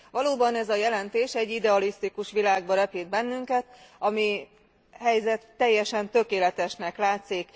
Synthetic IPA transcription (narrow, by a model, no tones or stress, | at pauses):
ʋɒloːbɒnɛzɒjɛlɛnt̪eːʃɛɟːid̪ɛɒlist̪ikuʃʋilaːɡbɒɾɛpid̪̚bɛnːyŋkɛt̪ɒmi | ɦɛjzɛt̪ːɛjːɛʃɛnt̪ø̞keːlɛt̪ɛʃnɛklaːt̪sik